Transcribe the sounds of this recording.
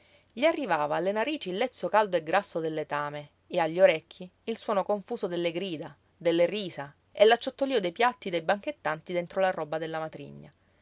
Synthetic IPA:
ʎiarːivaːvaːlːenaɾiːt͡ʃiːlːɛt̪sːokald̪oeɡɾasːod̪elːet̪aːmeː | aʎːioɾɛkʰːiːlswɔːnokoɱfuːsod̪elːeɡɾiːd̪a | d̪elːeriːsa | elːat͡ʃːot̪ːoliːod̪ejpjat̪ːid̪ejbaŋket̪ːant̪id̪ent̪ɾolarɔbad̪elːamat̪ɾḭɲːa

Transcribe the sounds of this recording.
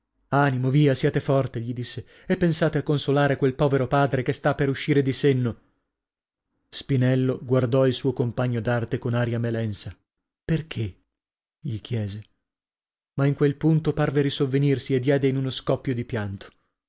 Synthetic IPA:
animoviːasjaːt̪efɔrt̪eʎid̪isːe | epːensaːt̪eakːonsolaːɾekwelpɔːveɾopaːd̪ɾekest̪apːeɾuʃːiːɾed̪isenːo | spinɛlːoɡward̪ɔilsuːokompaɲːod̪art̪ekonaːɾijamelɛnsa | perkʰe | ʎik̟ʰjɛːze | maiŋkwelpunt̪oparveɾisovːenirsied̪ːjɛːd̪einunoskɔpːjod̪ipjant̪o̥

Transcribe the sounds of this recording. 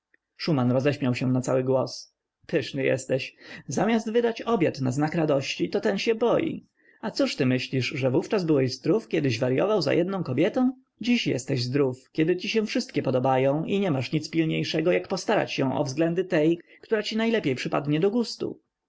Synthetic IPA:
ʂumanɾɔzɛɕmʲjawɕɛnat̪sawɘɡwɔs | pʰɘʂnɘjɛ̰st̪ɛɕzamʲjazd̪vɘd̪at͡ɕɔbʲjat̪naznakɾad̪ɔɕt͡ɕit̪ɔt̪ɛnɕɛbɔjḭ | at̪suʂt̪ɘmɘɕlʲiʂʐɛvuft͡ʂazbɘwɛʑzd̪ɾufkʲjɛd̪ɘʑvaɾjɔ̰vawza̰jʔɛd̪nɔ̃w̃kɔbʲjɛt̪ɔ̃w̃ | d͡ʑiɕjɛ̰st̪ɛʑzd̪ɾufkʲjɛd̪ɘt͡ɕiɕɛ̃fʂɘst̪kʲɛpɔd̪ɔbajɔ̃w̃ʔiɲɛmaʂɲit̪spʲilɲejʂɛɡɔjakpɔst̪aɾa̰t͡ɕɕɛ̃ʔɔ̰vzɡlɛnd̪ɘt̪ɛjkt̪uɾat͡ɕinajlɛpʲjejpʂɘpa̰d̪ɲɛd̪ɔɡust̪ṵ

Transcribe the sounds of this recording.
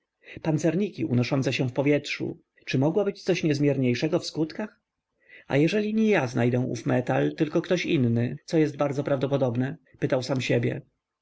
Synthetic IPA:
pant̪sɛɾɲikʲiʔṵnɔʂɔnt̪sɛɕɛ̃fpɔvʲjɛtʂṵ | t͡ʂɘmɔɡwabɘt͡ɕt̪sɔɕɲɛzmʲjɛɾɲejʂɛɡɔfskut̪kax | a̰jɛʐɛlʲiɲɛjaznajd̪ɛw̃ṵfmɛt̪alt̪ɘlkɔkt̪ɔɕinːɘt̪sɔjɛs̬d̪̚baɾd̪zɔpɾavd̪ɔpɔd̪ɔbnɛ | pɘt̪awsamɕɛbʲjɛ̰

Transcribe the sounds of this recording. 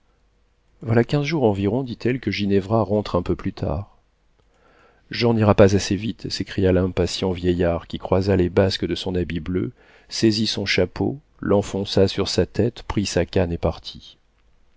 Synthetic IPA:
vwalakʲɛ̃zʒuʁɑ̃viʁɔ̃d̪it̪ʰɛlkəʒinɛvʁaʁɑ̃t̪χɛ̃pøplyt̪ʰa̰ːʁ | ʒɔ̃niʁapazasevit̪sekχijalɛ̃pasjɑ̃vjɛjaʁkʲikχwazalebaskəd̪əsɔ̃nabiblø̰ | sezisɔ̃ʃapo̰ | lɑ̃fɔ̃sasyʁsat̪ɛt̪pχisakʲanepaʁt̪ʰi

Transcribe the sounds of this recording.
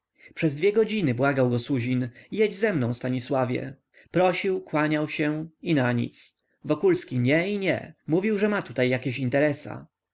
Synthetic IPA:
pʂɛzd̪vʲjɛɡɔd͡ʑinɘbwaɡawɡɔsuʑinijed͡ʑzɛmnɔ̃w̃st̪aɲiswavʲjɛ̰ | pɾɔɕiwkwaɲawɕɛinaɲḭt̪s | vɔkulskʲiɲɛiɲɛ̰muvʲiwʐɛmat̪ut̪ajːakʲeɕint̪ɛɾɛsa̰

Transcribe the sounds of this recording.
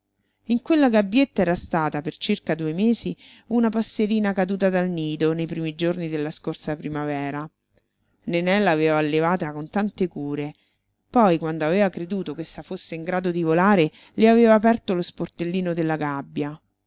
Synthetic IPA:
iŋkwelːaɡabːjet̪ːaɛːɾast̪aːt̪apert͡ʃirkad̪uːemeːsi | unapasːeɾiːnakad̪uːt̪ad̪alniːd̪onejpɾiːmid͡ʒornid̪elːaskorsapɾimavɛːɾa | nenɛlːaːveːvaːlːevaːt̪akont̪ant̪ekuːɾe | pɔjkwand̪oaveːvakɾed̪uːt̪okesːafosːeiŋɡɾaːd̪od̪ivolaːɾe | leaveːvaːpɛrt̪olosport̪elːiːnod̪elːaɡabːja

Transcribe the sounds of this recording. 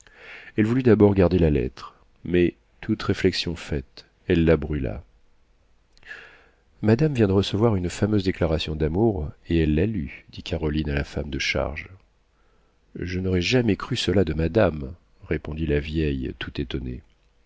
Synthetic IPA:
ɛlvulyd̪abɔʁɡaʁd̪elalɛ̰t̪χ | mɛ | t̪ʰut̪ʁeflɛksjɔ̃fɛt̪ | ɛlːabʁyla̰ | mad̪amvjɛ̃d̪əʁəsəvwaʁynfamøzd̪eklaʁasjɔ̃d̪amuʁeɛlːalyd̪̥ikʰaʁɔlinalafamd̪əʃa̰ʁʒ | ʒənɔʁɛʒamɛkχysəlad̪əmad̪am | ʁepɔ̃d̪ilavjɛjt̪ut̪et̪ɔnḛ

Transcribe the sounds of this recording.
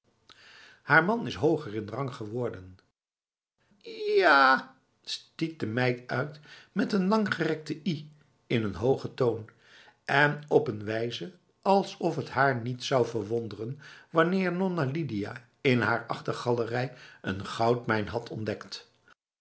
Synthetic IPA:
haːɹmɑnɪsɦowχəɹɪnrɑŋχəʋɔɹdən | jaː | stik̚dəmɛjtœɥtmɛtənlɑŋχərɛk̚təʔi | ɪnənɦowχətown | ɛnɔpənʋɛjzə | ɑlˠsɔfətɦaːɹnitsɑwvəɹʋɔndərənʋɑnɪːɹnɔnalidija̰ | ɪnɦaːɹɑχtəχɑlərɛjə̰nχɑwtmɛjnɦɑtʰɔndɛkt

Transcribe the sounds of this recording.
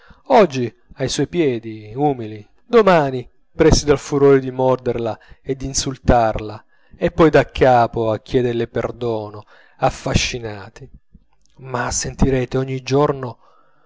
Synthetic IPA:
ɔd͡ʒːi | ajswɔjpjɛːd̪iuːmili | d̪omaːni | pɾɛsid̪alfuɾɔːɾɪd̪imɔrd̪erlaed̪ːinsult̪arla | epːɔjd̪akʰːaːpoakːjɛːd̪elɪperd̪ɔːno | afːaʃːinaːt̪i | masːent̪iɾɛːt̪eɔɲːid͡ʒɔrno

